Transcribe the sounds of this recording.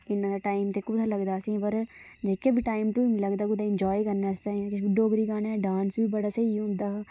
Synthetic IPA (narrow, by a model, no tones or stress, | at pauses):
ɪnːãːd̪aːʈaːɪmt̪eːkʊt̪ʰaləɡd̪aːsĩːpəɾ | d͡ʒekaːbʱiːʈaːɪmʈuləɡd̪aːkʊd̪aːɪnd͡ʒɔːikəɾnaːsd̪aːɛ̃kɪt͡ʃbiɖoːɡɾiːɡaːnaɖaːnsbiːbəɽaːseiũd̪aː